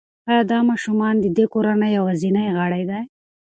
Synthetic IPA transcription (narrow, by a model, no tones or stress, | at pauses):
ajɑd̪ɑmɑʃumɑnd̪əd̪ekoɾanajːawazinajɣaɽajd̪aj